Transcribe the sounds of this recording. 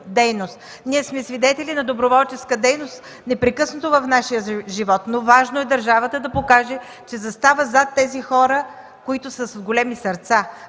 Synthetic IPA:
d̪ɛjnost̪ | niɛsmɛsvid̪ɛt̪ɛlinɐd̪obɾovɔlˠt͡ʃɛskəd̪ɛjnost̪ | nɛpɾɛkɤsnot̪ovɐfnaʃijəʒivɔt̪novaʒnoɛd̪əɾʒavət̪əd̪ɐpokaʒɛ | t͡ʃɛzɐst̪avəzat̪ːɛzixɔɾə | koit̪ʊsəsɡolʲɛmisɐɾt̪sa

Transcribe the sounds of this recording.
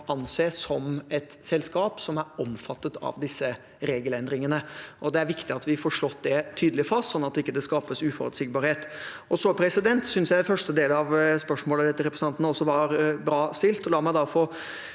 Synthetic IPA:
ʔɑnseːsɔmɛt̪sɛlskɑːpsɔmæɾɔmfɑt̪ːət̪ʰɑ̰ʋd̪ɪsːə | ɾeːɡəlɛnd̪ɾɪŋənəʔɔd̪ɛæɾʋɪkt̪ɪɑt̪ʋɪfɔːɾʂɭɔt̪ːd̪ɛt̪ʰyːd̪lɪfɑst̪sɔnːɑt̪ɪkːəd̪ɛskɑːpəsʉːfɔ̰ɾʉ̰t̪sɪɡ̚bɑːɾheːt̪ʔɔsɔpʰɾɛsɪd̪ɛnt̪sʏnsjæɪfœʂʈəd̪eːlɑʋspœʂmoːləd̪ɛt̪ːəɾɛpɾəsnɑnt̪ənəɔsːɔʋɑɾbɾɑːst̪ɪlt̪ɔlɑːɾmæɪd̪ɑfo

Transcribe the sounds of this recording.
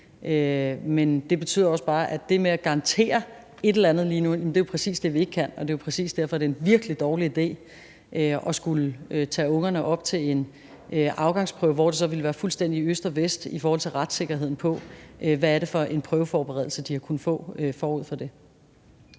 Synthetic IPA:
ʔømend̥e̝b̥e̝t͡sʰy̰ð̰ˠɐɒ̽sb̥ɑ̈ːʔæd̥e̝meæɡ̥ɑ̈ʁɑ̈nt͡sʰe̝̰ːɐ | e̝ɾ̥elænð̩ˠliːnujæmnd̥e̝jopʰʁɛsḭːsd̥e̝ʋie̝ɡ̥əkʰæn̰ɒ̽d̥e̝opʰʁɛsḭːsd̥æɐfɒ̽æɾ̥eenʋiɐɡ̥lid̥ɒːliid̥e̝̰ː | ʔøɒ̽sɡ̥uløt͡sʰɛ̰ːɔ̽ŋɐnəʔɒ̽b̥t͡sʰe̝le̝n | øʔɑ̈ʊɡ̥ɑ̈ŋspʰʁœʊʋɒ̰d̥esɒ̽ʋe̝ləʋæːɐfulsd̥en̰d̥iøsd̥ɒ̽ʋesd̥ifɔːhɒ̽lt͡sʰe̝lʁad̥se̝ɡ̥ɐɦe̝ð̰ˠn̩pʰɒ̽ʔʋæːɐɾe̝fɒ̽ʔe̝npʰʁœːʊəfɒːb̥eʁɛðˠl̩səd̥ihɑ̈kʰun̩fɔ̰̽ːøfɒːuð̰ˠfɒ̽d̥e̝

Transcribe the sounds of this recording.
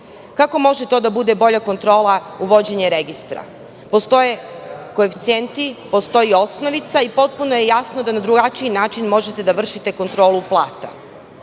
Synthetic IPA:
kako̞mo̞ʒet̪o̞ːd̪abud̪e̞bo̞ʎako̞nt̪ɾo̞ːlˠauʋo̞d͡ʑe̞ɲeɾeɡist̪ɾa̰ | po̞st̪o̞jeko̞eft̪sient̪ipost̪o̞jio̞sno̞ʋit̪saipo̞t̪̚puno̞jejasno̞d̪anad̪ɾuɡat͡ʃiinaːt͡ʃinmo̞ʒet̪e̞d̪aʋr̩ʃit̪e̞ko̞nt̪ɾo̞ːluplˠaːt̪a̰

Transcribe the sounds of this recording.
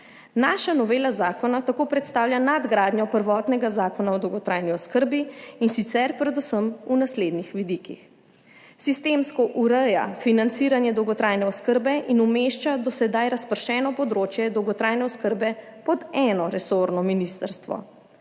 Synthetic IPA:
naʃanɔʋeːlazaːkɔnat̪akoːpɾɛt̪st̪aːwlʲjanad̪ɡɾaːd̪nɲjɔpəɾʋɔːt̪nɛɡazaːkɔnaɔd̪ɔwɡɔt̪ɾaːjniɔskəɾbiinsit̪sɛɾpɾɛd̪usəmunasleːd̪nixʋid̪ikix | sist̪emskɔʔuɾəja̰finant̪siːɾanjɛd̪ɔwɡɔt̪ɾajnɛɔskəɾbɛʔinumeʃt͡ʃad̪ɔsɛd̪ajɾaspəɾʃɛːnɔpɔd̪ɾoːt͡ʃjɛd̪ɔwɡɔt̪ɾajnɛɔskəɾbɛ | pɔd̪ɛːnɔɾɛsoɾnɔminist̪əɾst̪ʋɔ̰

